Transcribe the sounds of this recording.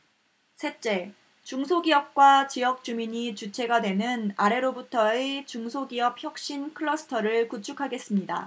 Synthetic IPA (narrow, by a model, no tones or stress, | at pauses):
sʰe̞t͡ɕ͈e̞ | t͡ɕuŋsʰoɡiʌp̚k͈wat͡ɕijʌk̚t͡ɕ͈umiɲit͡ɕut͡ɕʰe̞ɡadwe̞nɯnaɾe̞ɾobutʰʌet͡ɕuŋsʰoɡiʌp̚çjʌk̚ɕ͈inkʰɯɭːʌsʰɯ̥tʰʌɾɯɭkut͡ɕʰukʰaɡe̞s͈ɯmɲida̰